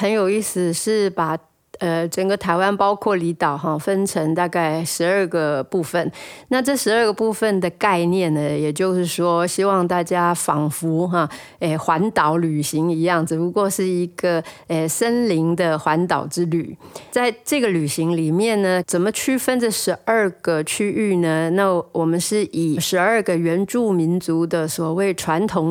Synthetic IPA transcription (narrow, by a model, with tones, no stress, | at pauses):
xə˧˥njo˨˩ʊi˥˩sɹ̩˨˩ʂɻ̩˥˩pa˨˩ | ə˩ʈ͡ʂə˨˩ŋɡə˦t̪ʰa˧˥ɪwa˦npɑ˥ʊkʰwɔ˥˩li˧˥t̪ɑ˨˩˦ʊɦɑ˥˧fə˦˥nʈ͡ʂʰɤ˧˥ŋt̪a˥˧ka˥˩ɪʂɻ̩˧˥ə˞˥˧ɡə˩pu˥˧fə˨nna˥˧ʈ͡ʂɤ˥˩ʂɻ̩˧˥ə˞˥˧ɡə˩pu˥˧fə˨nd̪ə˩ka˥˧ɪnjɛ˥˩nə˩jɛ˨˩t͡ɕjo˥˧ʊʂɻ̩˥˩ʂwɔ˥ɕi˥wɑ˥˧ŋt̪a˥˩t͡ɕja˥fɑ˨˩ŋfu˧˥xɑ˥˧ | ə˧˩xwa˧˥nt̪ɑ˨˥˦ʊly˨˩ɕi˧˥ŋi˧˥jɑ˥˩ŋd͡z̩˨˩pu˧˥kwɔ˥˧ʂɻ̩˥˩i˧˥ɡ̥ə˧ə˨˩sə˥nli˧˥ŋd̪ə˨xwa˧˥nt̪ɑ˨˩ʊʈ͡ʂɻ̩˥ly̰˨˩˦t͡sa˥˧ɪʈ͡ʂɤ˥˩ɡə˩ly˨˩ɕi˧˥ŋli˨˩mjɛ˥˩nnə˩t͡sə˨˩mə˦t͡ɕʰy˥fə˥nd͡zə˨ʂɻ̩˧˥ʔə˥˩ɡ̥ə˨˩t͡ɕʰy˥y˥˩nə˩na˥˩wʔɔ˨˩mə˦nʂɻ̩˥˩ʔi˨˩ʂɻ̩˧˥ə˞˥˧ɡə˨ɥɛ˧˥nʈ͡ʂu˥˩mi˧˥nt͡su˧˥d̪ə˨swɔ˨˩we˥˩ɪʈ͡ʂʰwa˧˥nt̪ʰʊ˧˥ŋ